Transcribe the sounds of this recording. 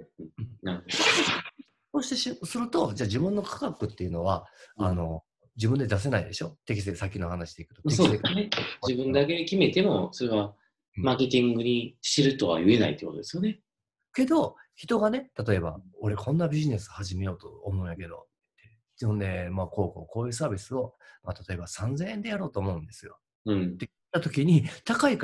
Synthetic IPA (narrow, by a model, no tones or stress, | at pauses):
ɯ̃naɾɯho | soːɕi̥t̪eɕisɨɾɯ̟t̪o̞d͡ʑaːd͡ʑibɯ̟̃nːo̞kʰḁkakɯ̟t̪ːe̞iɯ̟no̞βaano̞ | d͡ʑibɯ̟nd̪e̞d̪as̬e̞naid̪e̞ɕo̞t̪e̞kʲis̬eki̥sakʲːinohanaɕi̥d̪e̞ikɯ̟t̪o̥soened͡ʑibɯ̟̃nd̪aked̪ekʲime̞t̪e̞mo̞so̞ɾe̞βa | maːke̞t̪ʲĩŋɡɯ̟ɲ̟iɕiɾɯ̟t̪o̞βa̰jɯ̟e̞na̰ḭt̪eːkot̪d̪esɨjone̞ | ke̞d̪o̞çi̥t̪o̞ɡane̞t̪at̪o̞e̞ba̰o̞ɾekʰõ̞nːabʲiʑine̞sɨhaʑime̞jo̞ːt̪o̞̰ːmoɯ̟̃jake̞d̪o̞̰t̪ɯt̪ːe̥ | ɯ̃nd̪e̞mako̞ːko̰ːko̞ːjɯ̟ːsaːbʲisɨo̞mat̪at̪o̞e̞basãnd͡zẽ̞ɰ̃end̪e̞jaɾo̞ːt̪o̞ːmo̞ɯ̟̃nd̪e̞sɨjo̞̰ | ɯ̃ɴe | t̪ːat̪o̞kʲiɲ̟it̪akaik